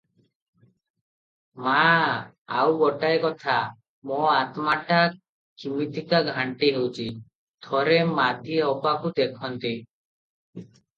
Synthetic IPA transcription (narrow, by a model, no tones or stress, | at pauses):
ma | a̰wɡɔʈaekɔt̪ʰa | moat̪maʈa | kimit̪ikaɡʱaɳʈiɦewt͡ʃʰi | t̪ʰɔɾemad̪ʱiɔpakud̪ekʰɔnt̪i